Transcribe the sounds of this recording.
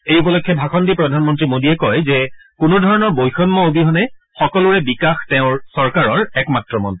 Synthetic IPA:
ejupɔlɔkʰːjɛbʱaxɔndipɹɔdʱanmɔntɹimodiɛkɔjzɛkʊnudʱɔɹɔnɔɹbojxɔnmɔobiɦɔnɛ | xɔkɔlʊɹɛbikaxtɛʊ̃ɹsɔɹkaɹɔɹɛkmatɹɔmɔ̰n

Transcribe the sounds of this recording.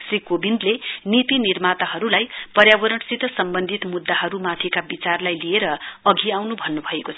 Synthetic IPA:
srikobind̪lenit̪inirmat̪aɦʌɾulajpʌɾjabʌɾʌɳsit̪ʌsʌmbʌnd̪ʱit̪mud̪ːaɦʌɾumat̪ʰekabit͡sarlajlieɾʌʌɡʱiawnubʱʌnːubʱʌekot͡sʰʌ

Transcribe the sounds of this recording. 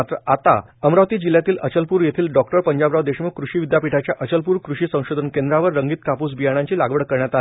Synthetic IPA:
t̪ɾəat̪a̰ | əmɾaʋt̪iːd͡ʑiljat̪iːlət͡ɕəlpuːɾjet̪ʰiːlɖɔkʈəɾpəɲd͡ʑabɾaʋd̪eɕməkɾuɕiːʋid̪japiʈʰat͡ɕjaʔət͡ɕəlpuːɾkɾuɕiːsə̃w̃ɕod̪ʱənkẽnd̪ɾaʋəɾːəŋɡiːt̪kapuːsbijaɽ̃ãɲt͡ɕiːlaɡʋəɽkəɾɳjat̪al

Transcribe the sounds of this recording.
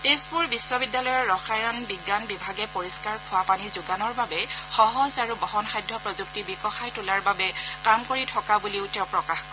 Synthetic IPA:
tespuɹbisːɔbidːalɔjɔɹɹɔxajɔnbiɡːanbibʱaɡɛpoɹiskaɹkʰʊwapanizuɡanɔɹbabɛxɔɦɔzaɹubɔɦɔnxajdʱːɔpɹɔzuk̚tibikɔxajtulaɹbabɛkamkoɹitʰɔkabuliʊtɛʊpɹɔkaxkɔ

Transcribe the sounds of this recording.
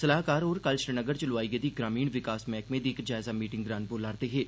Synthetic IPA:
sɐlaːɦkaːɾɔːɾkəlʃɾɪnəɡəɾt͡ʃʊlaːiɡed̪iɡɾaːmiːɽ̃ʋɪkaːsmɛ̃ːkmẽd̪iːkɾd͡ʒaːɪzamiːʈɪ̃ŋɡɡɾaːnboːlaːɾt̪eɦɛː

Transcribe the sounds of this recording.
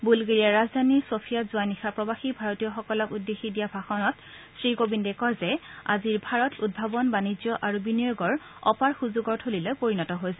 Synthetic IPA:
bulɡeɹijaɹazdʱaniɹsopʰijazʊanixapɹɔbaxibʱaɹotijɔxɔkɔlɔkudːexidijabʱaxɔnɔt | sɹiɡobindɛkɔɹzɛa̰ziɹbʱaɹɔtud̚bʱabɔnbanizjɔʔaɹubiniɔɡɔɹɔ̰paɹxuzuɡɔɹtʰolilojpoɹinɔtɔɦojsɛ

